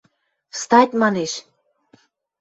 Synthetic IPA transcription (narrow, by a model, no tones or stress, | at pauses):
st̪ɑjt̪mɑneʃ